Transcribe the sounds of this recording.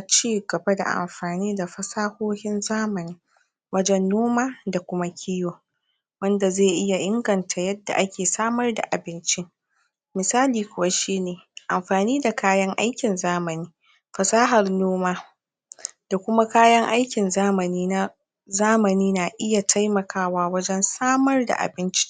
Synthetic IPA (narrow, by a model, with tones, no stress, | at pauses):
a˨t͡ʃiː˦ɡɐ˨ba˦da̰˨ʔa̰˨mɸaː˨niː˦da˨ɸɐ˨saː˦hoː˦hɪ˦nzaː˦mɐ˨niː˦ | wɐ˦d͡ʒɛ˦nːoː˦maː˦da˨kʷʊ˦ma˦kʲʰi˦joː˨ | wɐ˦nda˨zeː˦˨ʔɪ˦ja˨ʔɪ˦ŋɡɐ˨ntʰa˨jɐ˦dːa̰˨ʔa˦kʲeː˨saː˦mɐ˦rda̰˨ʔa˨bɪ˦nt͡ʃɪ˦ | mɪ˨saː˦liː˨kʷʊ˦wa˦ʃiː˦neː˨ʔa˨mɸaː˨niː˦da˨kaː˦jɐ˦ŋʔa˦jkʲɪ˨nzaː˦mɐ˨niː˦ | ɸɐ˨saː˦ɦɐ˨rnoː˦maː˦ | d̥a˨kʷʊ˦ma˦kaː˦jɐ˦ŋʔa˦jkʲɪ˨nzaː˦mɐ˨niː˦na˦ | zaː˦mɐ˨niː˦na˨ʔɪ˦ja˨tʰa˦jmɐ˨kʰaː˦waː˦wɐ˦d͡ʒɛ˦nsaː˦mɐ˦rda̰˨ʔa̰˨bɪ˦nt͡ʃi̥˦